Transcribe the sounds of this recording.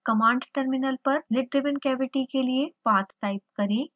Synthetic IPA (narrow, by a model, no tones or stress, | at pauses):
kɐmãːɳɖʈəɾmɪnəlpɐɾlɪɖɾɪʋənkɛːʋɪʈikeliepaːt̪ːaːɪp̚kɐɾeː